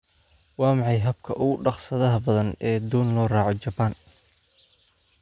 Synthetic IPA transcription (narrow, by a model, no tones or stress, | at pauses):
wɑːmɑħɑjɦɐb̚kʰɐʔʊɣʊɖɑχsɐðɐɦɐbɐðɐnɛːd̪uːnlɔːraːʕɔt͡ʃɐban